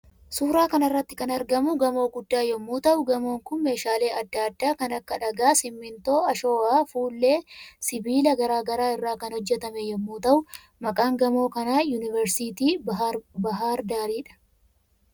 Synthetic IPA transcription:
suːɾaːkɐnɐrːɐt̪ːɪ̥kɐnɐɾɡɐmʊɡɐmo̞ːɡʊd̪ːaːjɔmːuːt̪ɐʔʊɡɐmo̞ːŋkʊnme̞ːʃaːle̞ːʔɐd̪ːaːd̪ːaːkɐnɐkːɐᶑɐɡaːsɪmːɪnt̪o̞ːɐʃo̞ːaːfuːlːe̞ːsɪbiːlɐɡɐɾaːɡɐɾaːɪrːaːkɐnhɔd͡ʒːɛt̪ɐmɛjɔmːuːt̪ɐʔʊ | mɐkʼaːŋɡɐmo̞ːkɐnaːjunɪvɛɾsiːt̪iːbɐɦaːɾd̪aːɾiːᶑɐ̥

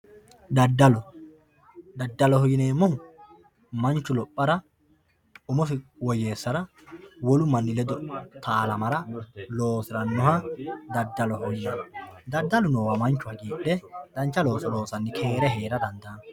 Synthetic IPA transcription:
d̪ɐd̪ɐlɔ | d̪ɐd̪ːɐlɔhɔjɪneːmːɔŋ | mɐnt͡ʃːʊlɔpʼːɐɾɐ | ʊmɔfɪwɔje̞ːsːɐɾɐ | wɔlʊmɐnːɪlɛd̪ɔt̪ʰaːlɐmɐɾɐlo̞ːsɪɾɐnːɔɦɐd̪ɐd̪ːɐlɔhɔjɪnɐd̪ɐd̪ːɐlʊnɔːwɐmɐnt͡ʃːʊhɐɡiːᶑːɛd̪̥ɐnt͡ʃːɐlo̞ːsɔlo̞ːsɐnːɪkʰe̞ːɾɛɦe̞ːɾɐd̪ɐnd̪aːn

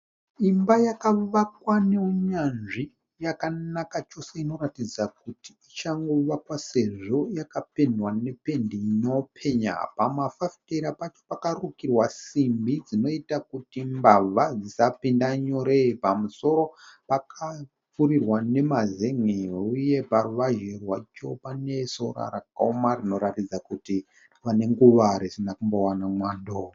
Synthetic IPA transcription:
imbajakaʋakwaneuɲanʐi | jakanakat͡ʃo̞seino̞ratid͡zak̚utiit͡ʃaŋɡo̞ʋakwase̞ʐo̞jakape̞ndwane̞pe̞ndinopʰe̞ɲa̰pamafafiteɾapat͡ʃo̞̥pakarukirwasimbid͡zino̞itakutimbavʱad͡zisapindaɲo̞ɾepamuso̞ɾo̞pakʰa | p͡furirwane̞mazeŋeuje̞paruʋaʒerwat͡ʃo̞pane̞so̞ɾa̰ɾakaomarino̞ɾatid͡zakuti | ʋane̞ŋɡuʋaɾesinakumbowanamwaːndo

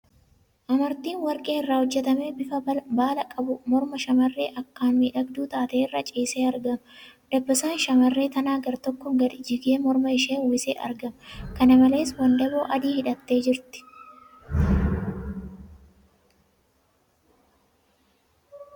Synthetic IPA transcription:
ʔɐmɐɾt̪iːnwɐɾkʼe̞ːɪrːaːhɔd͡ʒːɛt̪ɐmeːbɪfɐbaːlɐkʼɐbʊmɔɾmɐʃɐmɐrːe̞̰ːʔɐkːaːnmiːᶑɐɡd̪uːt̪aːt̪eːɪrːɐt͡ʃʼiːseːɐɾɡɐmd̪̥ɐbːɐsaːnʃɐmɐrːe̞ːt̪ɐnaːɡɐɾt̪ɔkːɔɡɐd̪ɪd͡ʒɪɡeːmɔɾmɐɪʃeːwɪsḛːʔɐ̰ɾɡɐmkɐnɐmɐle̞ːswɐnd̪ɐboːʔɐd̪iːhɪᶑɐt̪ːe̞ːd͡ʒɪɾt̪ɪ̥

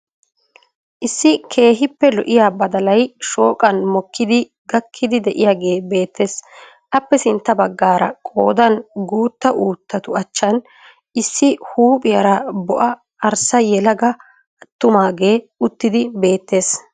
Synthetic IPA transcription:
ʔɪsːɪkʰe̞ːɦɪpːɛlɔ̰ʔɪjaːbɐd̪ɐlɐjʃo̞ːkʼɐnmɔkːɪd̪ɪ | ɡɐkʰːɪd̪ɪd̪ɛʔɪjaːɡe̞ːbe̞ːt̪ʰːe̞ːs | ʔɐpːɛsɪnt̪ːɐbɐɡːaːɾɐ̰kʼo̞ːd̪ɐnɡuːt̪ːɐʔuːt̪ːɐt̪ʊɐt͡ʃːɐn | ʔɪsːɪhuːpʼɪjɐɾɐbɔʔɐ | ɐɾsɐjɛlɐɡɐ | ɐt̪ːʊmaːɡe̞ː | ʊt̪ːɪd̪ɪbe̞ːt̪ːe̞ːs

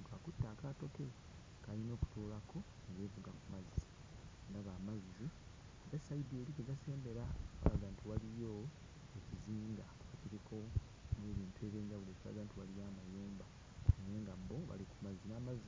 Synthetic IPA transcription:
kakutːaːkato̞ke | kalino̞ːku̥tulakʰo̞ | neɡevuɡakumazizi | ŋɡaβaːmazizi | βesaidielikeɡase̞ːmbe̞ɾaa̰βaɡantʰiwalijo | eciziːŋɡa | kateɾeko | neβiːntue̞ːβeːɲɟaβulecua̰ɡantiwalijaːmajeːmba | ejeːŋɡaboβa̰liku̥maziinaːmazi

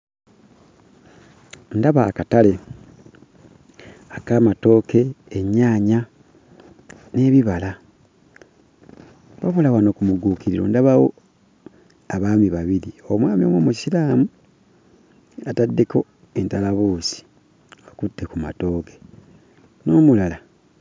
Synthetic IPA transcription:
ndaβaːkatale̞ | akaːmato̞ːke̞ːɲaːɲa | ne̞βiβala | βaβolawano̞kumuɡuːkiɾiɾo̰ndaβawo̞̰ | aβaːmiβaβiɾiomwaːmio̰mwamusilaːmu | atadːe̞ko̞ | e̞ntalaβoːsi̥ | okutːekuma̰to̞ːke̥ | no̞ːmulala

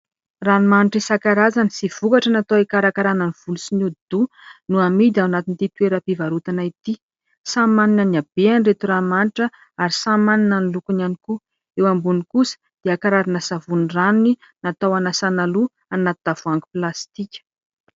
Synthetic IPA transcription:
ranimaniʈ͡ʂisakaɾazanisiv̥ukaʈ͡ʂənat̪oekaɾakaɾananiv̥ulusinud̪u | nuamid̪awnat̪int̪it̪weɾəpivaɾut̪anait̪i | samaninaniab̥eanret̪uramaniʈ͡ʂə | aɾisamaninənilukunaniku | ewambunikusə̥ | d̪̥eakaɾaɾanəsavuniranuni | nat̪awanasanalu | anat̪ud̪avuaŋɡu̥plast̪ikʲə̥

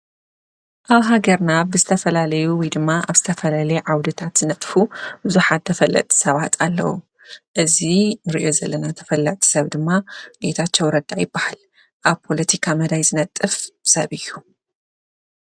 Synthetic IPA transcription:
ʔaβɦaɡɐɾnabɨzɨt̪ʰɐfɐlalɐjuwɔjd̪ɨmːaʔaβz̥ɨt̪ʰɐfɐlalɐjeʕawd̪ɨt̪ʰat̪zɨnɐt̪ʼfubɨzuħat̪̚t̪ʰːɐfɐlːɐ̰t̪ʼʰi̥sɐβat̪ʰalːɐ̰wu | ʔɨzinɨɾiʔo̞zɐlːɐnat̪ʰɐfɐlːɐt̪ʼʰi̥sɐβd̪ɨmːabe̞t̪ʰat͡ʃːɐwɾɐd̪ːajɪbːahal | ʔaβpʰo̞lɐt̪ʰikʰamɐd̪ajzɨnɐt̪ʼːɨfsɐβɨjːu

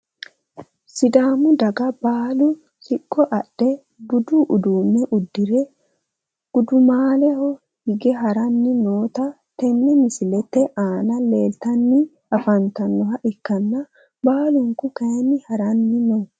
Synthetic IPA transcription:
sɪd̪aːmʊd̪ɐɡɐbaːlʊ | sɪkʼːɔʔɐɗːɛ | bʊd̪uʔʊd̪uːmːɛʔʊd̪ːɪɾɛ | ɡ̥ʊd̪ʊmaːlɛhɔ | hɪɡɛɦɐɾɐnːɪnoːt̪ɐ | t̪ɛnːɛmɪsɪlɛt̪ːɛʔaːnɐleːlt̪ɐnːɪ | ɐfɐnt̪ɐnːɔɦɐʔɪkːɐnːɐ | baːlʊŋkʊkɐjnɪhɐɾɐnːɪnoː

